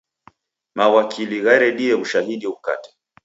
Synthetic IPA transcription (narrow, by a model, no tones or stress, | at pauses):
mawakʰiliɣaɾɛɗiɛβuʃahiɗiuka̰tɛ̥